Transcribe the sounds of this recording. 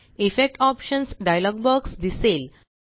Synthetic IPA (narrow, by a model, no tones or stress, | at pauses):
ifek̚ʈɔpʃənsɖajlɔɡbəɾɡsd̪isel